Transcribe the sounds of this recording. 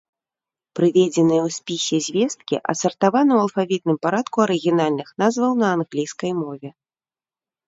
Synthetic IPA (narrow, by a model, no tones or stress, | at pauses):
pɾɨvʲɛd͡zʲɛnɨjɛwsʲpʲisʲɛzʲvʲɛst̪̚kʲḭʔɐ̰sɐrt̪avanɨwɐlˠfavʲit̪̚nɨmpaɾat̪kuɐɾɨɣʲinalʲnɨxnazvɐwnɐːnɣlʲijskɐjmɔvʲɛ